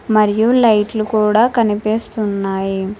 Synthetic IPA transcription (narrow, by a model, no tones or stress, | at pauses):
mɐɾijulɐjʈlukuːɽaːkɐnipeːst̪unːaːji